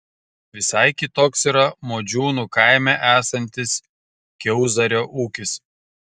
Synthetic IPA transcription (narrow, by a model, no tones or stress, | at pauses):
ʋʲɪsɐɪkʲɪt̪oːksiːɾɐmoːd͡ʒʲuːnuːkɐɪmʲæʔæːsɐnʲt̪ʲɪs | kʲɛʊzɐɾʲoːʔuːkʲɪs